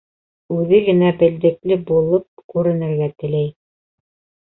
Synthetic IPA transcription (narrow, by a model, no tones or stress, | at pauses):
ʉðɘɡɘ̆næbɘ̆ld̪ɘ̆klɘbulˠɤp̚kʉɾɘ̆nɘ̆ɾɡæt̪ɘ̆læj